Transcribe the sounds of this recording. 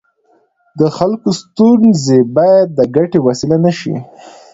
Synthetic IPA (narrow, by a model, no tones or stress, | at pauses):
d̪əxalkost̪unzebɑjad̪̚ːəɡaʈewasilanaʃḭ